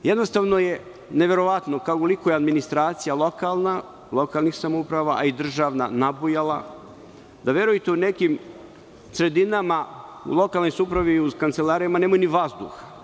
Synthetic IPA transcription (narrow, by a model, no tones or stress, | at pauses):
jed̪nost̪aːʋnoje̞ | neʋe̞ɾo̞ʋat̪nokaokolˠikojead̪minist̪ɾaːt̪sijalˠo̞kalˠna | lo̞kalˠnixsamoupɾaːʋaʔaid̪r̩ʒaːʋna̰nabujalˠa | d̪aʋje̞ɾujit̪eune̞kim | sɾe̞d̪inamaṵlˠo̞kalˠno̞jsuːpɾaʋiukant̪selˠaːɾijamanemajuniʋazd̪ṵxḁ